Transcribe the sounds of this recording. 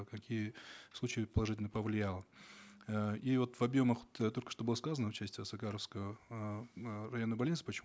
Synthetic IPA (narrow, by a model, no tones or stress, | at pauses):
kɐkʲijəslˠut͡ɕɪjəpəlˠɐʐɨtʲɪlʲnəpəvlʲɪjalˠə | ivo̞t̪vɐbjo̞məxot̪t̪o̞lʲkə̥ʂt̪obɨlˠəskazənəʊt͡ɕæsʲtʲɪsɐɡaɾəfskəə | rɐjo̞nːəbɐlʲnʲit̪sɨ̥pət͡ɕɪ